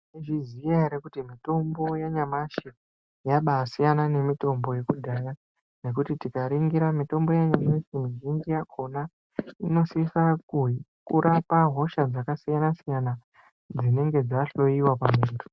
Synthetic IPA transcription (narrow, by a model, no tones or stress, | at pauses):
iʐizijaeɾekutimito̞mbo̞jaɲamaʃe | jaɓaːsijanane̞mito̞mbo̞je̞kudʱaja | ne̞kutitikaɾiŋɡiɾamito̞mbo̞jaɲamesimiʒind͡ʒijakʰo̞na | ino̞sifakukṵɾʔapaɦo̞ʃad͡zakasijanasijana | d͡zine̞ŋɡe̞d͡zaɬo̞iwapameːnto̥